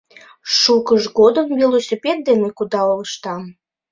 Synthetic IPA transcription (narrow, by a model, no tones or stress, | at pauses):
ʃukəʒɡod̪əmvʲilˠosʲipʲet̪̚d̪enekud̪ɑoləʃt̪ɑm